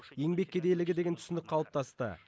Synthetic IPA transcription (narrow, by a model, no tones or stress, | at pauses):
je̞ŋbe̞k̚ʲːʰed̪ejlɪɡʲɪd̪e̞ɡʲent̪ʰʏ̥sɪnd̪ɪk̚ʲqʰɑlˠəp̚t̪ʰɑst̪ə̰